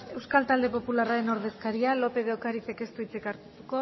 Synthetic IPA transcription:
e̞wskalt̪ald̪e̞po̞pularaɾe̞no̞ɾð̞e̞skaɾialo̞pe̞ðeokaɾit͡seke̞st̪uit͡sekaɾt̪ut̪uko̞

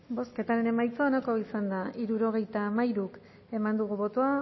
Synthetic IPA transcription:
bo̞ske̞t̪aɾe̞ne̞majt͡soonako̞isand̪aiɾuɾo̞ɣ̞e̞jt̪amajɾuk | e̞mand̪uɣ̞uβo̞t̪oa

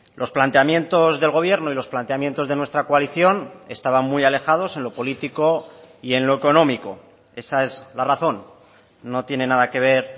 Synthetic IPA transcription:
lʔo̞splant̪eamjẽ̞nt̪o̞zðe̞lɣ̞o̞β̞je̞ɾno̞ilo̞splant̪e̞amje̞nt̪o̞zðe̞nwe̞st̪ɾakoaliθjo̞ne̞st̪aβ̞aŋmujale̞xað̞o̞se̞nlo̞po̞lit̪iko̞ie̞nloeko̞nõ̞miko̞ | e̞sae̞zlaraθo̞nː | o̞t̪je̞ne̞naðake̞β̞e̞ɾ

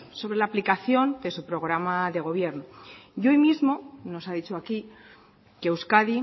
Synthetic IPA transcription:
so̞βɾe̞laːplikaθjo̞nd̪e̞supɾo̞ɣɾamaðe̞ɣ̞o̞β̞je̞ɾnojojmizmo̞no̞saðit͡ʃoaki | keːwskaði

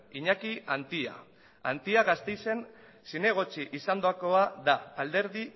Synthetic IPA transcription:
iɲakiant̪ia̰ | a̰nt̪iaɣast̪e̞jse̞n | sine̞ɣ̞o̞t͡ʃiʔisand̪oako̞aðaːld̪e̞ɾði

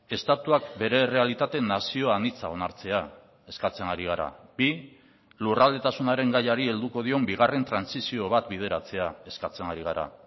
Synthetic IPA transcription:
e̞st̪at̪uakbe̞ɾe̞re̞alit̪at̪e̞nasio̞anit͡sao̞naɾt͡se̞a | e̞skat͡se̞nɡaɾiɣ̞aɾa̰bi | lurald̪e̞t̪asunaɾe̞ŋɡajaɾie̞ld̪uko̞ð̞io̞mbiɣ̞are̞nt̪ɾansisio̞β̞at̪bið̞e̞ɾat͡se̞ae̞skat͡se̞ŋɡaɾiɣ̞aɾa̰

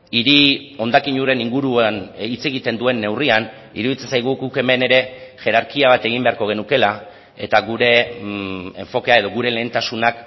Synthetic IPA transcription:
iɾio̞nd̪akiɲuɾe̞niŋɡuɾuanit͡se̞ɣit̪e̞nd̪ue̞nːe̞wrian | ḭɾuðit͡se̞nsajɣ̞uɡuke̞me̞ne̞ɾe̞ʝe̞ɾaɾkiaβ̞at̪e̞ɣ̞imbe̞aɾko̞ɣ̞e̞nuke̞la | e̞t̪aɣuɾe̞ | eɱfo̞keae̞ð̞o̞ɣuɾe̞le̞ːnt̪asunak

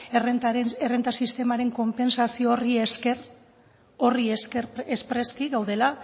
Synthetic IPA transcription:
eret̪aeerent̪asist̪e̞maɾe̞ŋko̞mpe̞nsasioːriesker | o̞rieskeɾespɾe̞skiɣawðe̞la

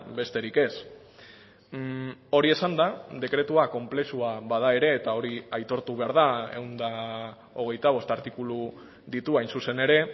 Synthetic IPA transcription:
be̞st̪e̞ɾike̞s | o̞ɾie̞sand̪aðe̞kɾe̞t̪uako̞mple̞suaβaðae̞ɾe̞ːt̪ao̞ɾiajt̪o̞ɾt̪uβ̞e̞aɾð̞ae̞̰wnd̪a | o̞ɣ̞e̞jt̪aβo̞st̪aɾt̪ikulu | ðit̪uajnsuse̞ne̞ɾe̞

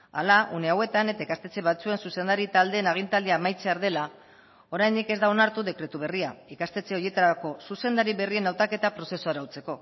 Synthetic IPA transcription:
a̰laʔune̞awe̞t̪ane̞t̪aikast̪e̞t͡se̞βat͡sue̞nsuse̞nd̪aɾit̪ald̪eːnaɣ̞int̪ald̪eaːmajt͡se̞aɾðe̞la | o̞ɾajnd̪ike̞zd̪ao̞naɾt̪uðekɾe̞t̪uβ̞e̞riaikast̪e̞t͡se̞o̞je̞t̪aɾako̞suse̞nd̪aɾiβe̞rie̞nawt̪ake̞t̪apɾo̞se̞soaɾawt͡se̞ko̞

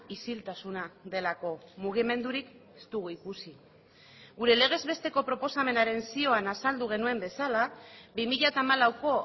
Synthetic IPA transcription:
isilt̪asunaðe̞lako̞muɣ̞ime̞nd̪uɾike̥st̪uɣuikusi | ɣuɾe̞le̞ɣ̞e̞zβe̞st̪e̞ko̞pɾo̞po̞same̞naɾe̞nsio̞anasald̪uɣ̞e̞nue̞mbe̞salaβimiʎat̪aːmalawko̞

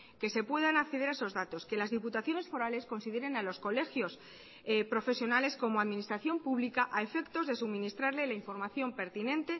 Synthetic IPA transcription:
ke̞se̞pwe̞ðanakθeðeɾaeso̞zðat̪o̞ske̞lazðiput̪aθjo̞ne̞sfo̞ɾale̞sko̞nsiðeɾe̞nalo̞sko̞le̞xjo̞s | pɾo̞fe̞sjo̞nale̞sko̞moaðmĩnist̪ɾaθjo̞mpuβlikaʔae̞fe̞kt̪o̞zðe̞sumĩnist̪ɾaɾle̞laiɱfo̞ɾmaθjo̞mpe̞ɾt̪inẽ̞nt̪e̞

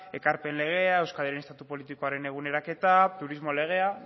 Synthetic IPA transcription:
e̞kaɾpe̞nle̞ɣ̞e̞ae̞wskaðeɾenest̪at̪upo̞lit̪iko̞aɾe̞ne̞ɣ̞une̞ɾake̞t̪at̪uɾizmo̞le̞ɣ̞e̞a

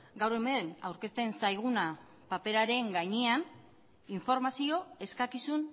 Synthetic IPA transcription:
ɡawɾe̞menawɾke̞st̪e̞nsajɣ̞una | pape̞ɾaɾe̞ŋɡajɲean | iɱfo̞ɾmasio̞e̞skakisun

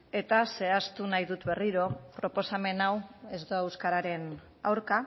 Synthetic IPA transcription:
e̞t̪ase̞ast̪unajðut̪βe̞riɾo̞pɾo̞po̞same̞nawe̞zd̪oewskaɾaɾe̞n | a̰wɾka

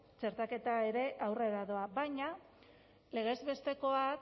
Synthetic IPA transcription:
t͡ʃe̞ɾt̪ake̞t̪ae̞ɾe̞ʔawre̞ɾaðo̞abajɲa | le̞ɣ̞e̞zβe̞st̪e̞ko̞ak

